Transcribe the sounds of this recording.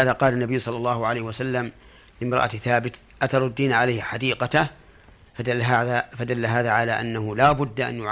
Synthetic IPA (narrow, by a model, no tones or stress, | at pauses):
aːðaqɑːlanːabɪjːsˤɑlːɑlːɑːhʊʕalajhɪwasalːam | lɪmɾˤɑ̰ʔa̰t̪θaːbɪt̪ | ʔat̪ɑɾˤʊd̪ːiːnʕalajhħad̪iːqɑt̪a | aaðafad̪alːaɦaːðaʕalaʔanːahʊlaːbʊd̪ːaʔa̰njʊʕ